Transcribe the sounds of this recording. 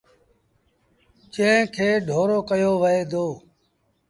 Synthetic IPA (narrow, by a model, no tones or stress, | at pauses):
t͡ʃə̃ːkʰeːɖʱoːɾoːkəjoːʋəeːd̪oː